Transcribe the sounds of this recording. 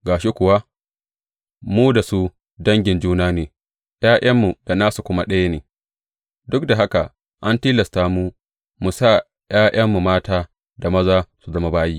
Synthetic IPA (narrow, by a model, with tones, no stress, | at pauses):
ɡaː˨ʃi˦kʷʊ˨wa˦ | muː˦da˨su˦ | dɐ˦ŋɡʲɪ˨nd͡ʒuː˦naː˦neː˨ | j̰aː˦j̰ɐ˦mːu˨da˨naː˦su˨kʷʊ˦ma˦˨ɗɐ˦ja˦neː˨ | dʊ˦kda˨ɦa˦ka˨ | ʔa˦ntiː˦lɐ˨staː˦muː˦ | mu˨sa˦ | j̰aː˦j̰ɐ˦mːu˨maː˦taː˦ | da˨mɐ˦zaː˦su˨zɐ˦ma˦baː˦jiː˦